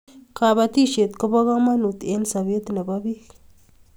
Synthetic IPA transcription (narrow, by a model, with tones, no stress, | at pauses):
ka˧ba˧t̪i˦ʃe˨t̪ko˦ba˦ɣa˦ma˦nu˨t̪e˧˦nsa˨bje˦t̪na˨ba˦bi˦k